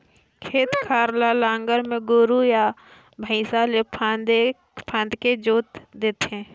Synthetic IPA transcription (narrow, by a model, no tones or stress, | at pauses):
kʰeːt̪kʰaːɾlalãːŋɡəɾmẽɡoːɾuja | bʱə̃ɪsalepʰad̪e | pʰãːnd̪ked͡ʒoːt̪d̪eːt̪eɛ̃ː